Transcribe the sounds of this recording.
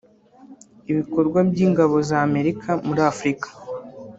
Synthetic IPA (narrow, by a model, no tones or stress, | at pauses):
iβiko̞ɾɡwabjiːŋɡaβo̞zaːme̞ɾikʰamuɾaːfɾikḁ